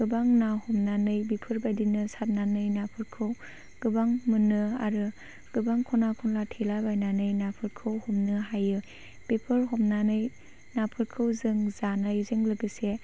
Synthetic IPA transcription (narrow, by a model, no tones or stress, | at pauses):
ɡ̥ɯbaŋnahɔmnanɯjbipʰɯɾbajdinɯsat̚nanɯjnapʰɯɾkʰɯw | ɡ̥ɯbaŋmɯnɯa̰ɾɯ | ɡ̥ɯbaŋkʰɔnakʰɔnlatʰelabajnanɯjnapʰɯɾkʰɯwhɔmnɯɦajɯ | b̥epʰɯɾɦɔmnanɯj | napʰɯɾkʰɯwzɯŋzanɯjzɯŋlɯɡɯse